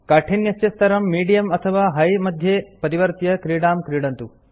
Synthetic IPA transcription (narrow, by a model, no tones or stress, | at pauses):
kaːʈʰinjɐsjɐst̪ɐɾɐmːiːɖijɐmɐt̪ʰɐʋaːɦɐjmɐd̪ʱjepɐɾiʋɐɾt̪jɐkɾiːɽaːmkɾiːɽɐnt̪u